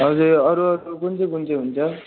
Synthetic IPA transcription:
ʌd͡zuɾʌɾuʌɾukunt͡sʌkunt͡sʌɦunt͡sʰʌ

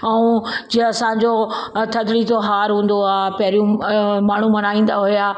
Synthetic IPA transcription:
ɐũd͡ʑĩɐsãɲd͡ʑo | t̪ʰɐd̪ɽit̪oɦaːɾɦũːn̆d̪oaːpɐɦɪɾijũmaːɳ̤umɐnaːĩːn̆d̪aɦʊjaː

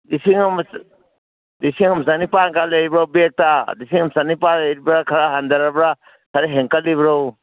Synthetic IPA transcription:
d̪isiŋms | d̪isiŋəmsanipaŋkaleibɾobek̚t̪ad̪is̬iŋəmsanipaɾiɾbɾakʰɐɾaɦɐnd̪əɾabɾa | kʰɐɾeɦeŋkalibɾo

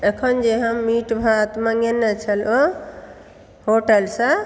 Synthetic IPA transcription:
əkʰənd͡ʒeɦəmːiʈbʱaːt̪maŋenːət͡ʃʰəlo | hoʈəlsa

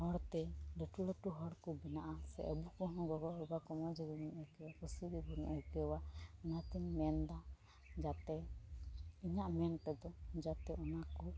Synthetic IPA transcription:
hɔɽt̪ɛɖɛʈulɔʈuɦɔɽkɔbɛnaʔasɛʔɔbukɔɦɔ̃ɡɔɡɔɔbakɔmɔd͡ʒɛɡɔnɛkɛwakɔsidibunʔɛkɛwaɔnat̪ɛnmɛnd̪a | d͡ʒat̪ɛ | iɲaʔmɛnʈ̪ɛd̪ɔd͡ʒat̪ɛɔnakɔ

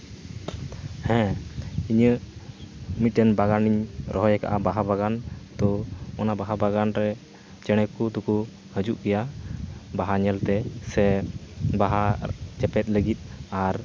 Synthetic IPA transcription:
hɛ̃iɲə | mit̪̚ːɛnbaɡaniɲɾʔɔɦɔjɛka̰ʔabaɦabaɡant̪ɔɔnabaɦabaɡanɾɛ | t͡ʃɛɽ̃ɛkud̪uku | həd͡ʒuʔkɛja | baɦaɲɛlt̪ɛsɛ | baɦat͡ʃɛpɛt̪̚ˀləɡit̪̚ˀaɾ

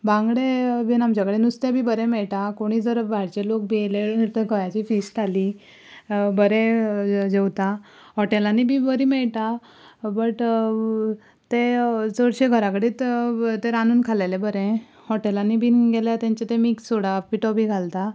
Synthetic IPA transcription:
bãŋɡɽeʋinamt͡ɕakəɽenust̪ebʱiːbəɾẽmeɭʈ̪akoɽ̃iːd͡zəɾbʱaɽt͡ɕelok̚beleniɾt̪əkʰəjat͡ɕiːfisʈʈʰali | bəɾẽd͡ʑewt̪a | ɦɔʈelanibʱiːbəɾiːmeɭʈ̪a | bəʈ | t̪ed͡zəɽɕeɡʱəɾakəɽiːt̪t̪eɾanuːnkʰalelebəɾẽ | hɔʈelanibʱiːɡeljat̪ãɲt͡ɕet̪ẽmiːkssoɽapiʈɔbiɡʱalt̪a

